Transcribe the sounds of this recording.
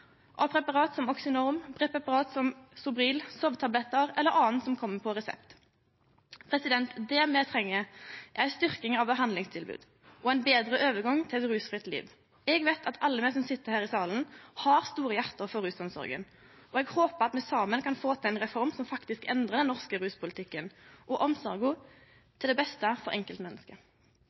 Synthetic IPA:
ʔɔpʰʁɛpɑʁɑːt̪sɔmɔksɪnɔʁmpʰʁɛpʁɛpɑʁɑːt̪sɔmsʊbʁiːlsɔʋt̪ʰɑblɛt̪ːəʁɛlːəɾʁɑːnt̪sɔmkʰɔmːəpʰɔʁɛsɛ̰pt̪ | pʰʁɛsɪd̪ɛnt̪d̪ɛmɛt̪ʰʁɛŋːəʔæɾst̪ʏʁkɪŋɑʋbəɦɑnlɪŋst̪ʰɪlbʉ̰ːd̪ | ʔɔæɪnbeːd̪ɾəʔøːʋəɡɑŋːt̪ʰɪlɛt̪ɾʉːsfʁɪt̪lḭːʋ | ɛɡʋet̪ʰɑt̪ʰɑlːəmɛsɔmsɪt̪ːəʁhæːʁɪsɑːlən̩hɑʁst̪uːʁəjæʁt̪əʁfɔɾʉːsɔmsɔ̰ʁɡə̰n | ʔɔɛɡhoːpəʁɑt̪mɛsɑːmənkʰɑnfoːt̪ʰɪlɛnʁɛfɔʁmsɔmfɑkt̪ɪskɛnd̪ʁəʁd̪ɛnnɔʁskəɾʉːspʰʊlɪt̪ʰɪkːənʔɔʔɔmsɔʁɡʊ | t̪ʰɪld̪ɛbɛst̪əfɔʁʔɛŋkəlt̪mɛnːəskə

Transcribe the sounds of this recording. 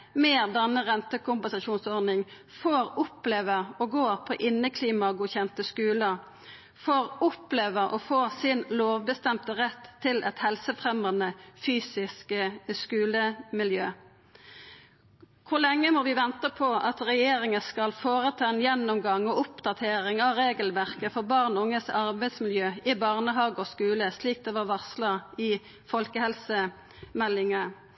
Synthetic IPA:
meːʁd̪ɛnːəʁɛnt̪əkʊmpɛnsɑʃuːnsɔʁd̪nɪŋ | foːʁʊpleːʋəʁɔɡoːʁpʰɔʔɪnːəkʰliːmɑɡuːçɛnt̪əskʉːləʁ | foʁʊpleːʋəʁʔɔ̰foːʁsɪnloːʋbəst̪ɛmt̪əʁɛt̪ʰːɪlʔɛt̪hɛlsəfʁɛmɑnəfyːsɪskəskʉːləmɪljøː | kʰʊlɛŋːəmɔʋɪʋɛnt̪əpʰɔʔɑt̪ʁɛjeːʁɪŋəskɑlfoːʁət̪ʰɑːɛnjɛnːʊmɡɑŋːɔʊpd̪ɑt̪ʰeːʁɪŋɑʋʁeːɡəlʋæʁkəfɔʁbɑʁnʊŋːəsɑʁbæɪd̪smɪljøːɪbɑʁnəɦɑːɡɔskʉːləsliːk̚d̪ɛːʋɑʁʋɑsləʁɪ | fɔlkəhɛlsə | mɛlɪŋə

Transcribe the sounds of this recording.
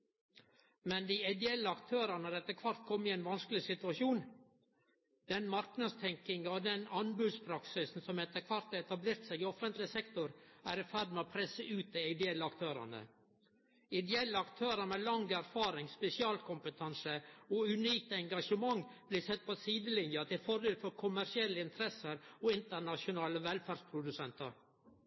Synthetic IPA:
mɛnd̪iɛɪd̪ɛɛlːəɑkt̪ʰøːɾɑnəɑɾɛt̪ːəɾkʰʋɑɾt̪̚kʰɔmːɪɛɪnʋɑnskəlɪsɪt̪ʉɑʃuːn | d̪ɛnmɑɾknɑd̪st̪ʰɛŋkɪŋɑd̪ɛnɑnbʉd̪spʰɾɑksɪsn̩sɔmɛt̪ːəkʰʋɑɾt̪ɑɛt̪ɑbleːɾt̪sæɪɡɪɔfənt̪lɪsɛkt̪ʊɾæ̰ːɾɪfæɖ̪mɛːoːpʰɾɛsəʔʉːt̪ɛæɪd̪ɛɛlːəɑkt̪ʰøːɾɑ̰nə̰ | ɪd̪ɛɛlːəɑkt̪ʰøːɾəmɛlɑŋɡæɾfɑːɾɪŋspɛsɪɑːlkʰʊmpət̪ʰɑnsəɔʉniːk̚t̪ɛŋɡɑʂəmɑŋːb̥liːsɛt̪̚ːpʰɔsiːd̪əlɪnjɑt̪ʰɪlfɔɾd̪eːlfɔɾkʰʊmæʂɪɛlːəɪnt̪ʰɾɛsəɾoːɪnt̪ənɑʂɪʊnɑːləʋɛlfæːɾɖspʰɾʊd̪ʉsɛnt̪əɾ

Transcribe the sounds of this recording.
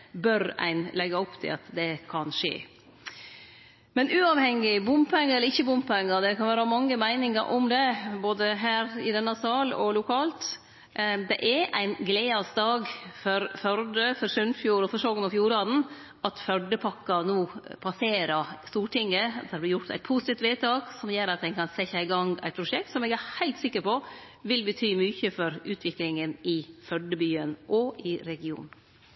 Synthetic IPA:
bœɾæ̰ɪnlɛɡːɑʊpt̪ʰɪ̰lɑ̰t̪d̪ɛkʰɑnʂḛː | mɛnʔʉːɑʋhɛŋːɪbʊmpɛŋəɾɛləɾɪçːəbʊmpɛŋːəd̪ɛkʰɑnʋæːɾəmɑŋːəmæɪnɪŋəɾʔɔmd̪ɛboːd̪əɦæːɾɪd̪ɛnːɑsɑːlɔ̰lʊkʰɑːlt̪ | d̪ɛ̰ʔɛɾʔæɪnɡleːɑst̪ɑːɡfɔɾfœɾɖəfɔɾsʉnfjuːɾɔfɔʂoːɡnɑfjuːɾɑːd̪n̩ | ɑt̪fœɖəpʰɑkːɑnuːpʰɑseːɾɑst̪uːʈɪŋːəd̪æɾdb̪ɾjʊʈt̪æ̰ɪt̪pʰusɪt̪iːft̪ʋeːt̪ʰɑːɡsɔmjøːɾɑt̪ʋɛɪɡkʰɑnsɛçɑɪɡɑŋæɪt̪̚pʰɾʊʂɛk̚t̪sɔmɛɡæhæɪlt̪sɪkːəɾpɔ | ʋɪlbət̪ʰyːmyːçəfɔɾʉːt̪ʰʋɪklɪŋənɪfœɖəbyːənʔɔɪɾɛɡɪṵːn

